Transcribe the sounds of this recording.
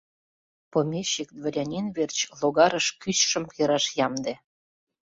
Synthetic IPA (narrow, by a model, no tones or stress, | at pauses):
pomʲeɕikd̪vəɾʲanʲinβert͡ɕloɣɑɾəʃkyɕʃə̆mjəɾɑʃjɑmd̪ĕ